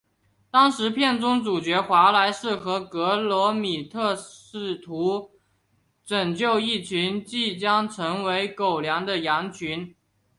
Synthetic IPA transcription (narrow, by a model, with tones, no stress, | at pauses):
t̪ɑ˥ŋʂɻ̩˧˥pʰjɛ˥˩nʈ͡ʂʊ˥ŋʈ͡ʂu˨˩t͡ɕɥɛ˧˥xwa˧˥la˧˥ɪʂɻ̩˥˩xɤ˧˥kɤ˧˥lwɔ˧˥mi˨˩t̪ʰɤ˥˧ʂɻ̩˥˩t̪ʰu˧˥ | ʈ͡ʂɤ˨˩ŋt͡ɕjo˥˧ʊi˥˩t͡ɕʰy˧˥nt͡ɕi˥˩t͡ɕjɑ˥ŋʈ͡ʂʰɤ˧˥ŋwe˧˥ɪko˨˩ʊljɑ˧˥ŋd̪ə˧jɑ˧˥ŋt͡ɕʰy˧˥n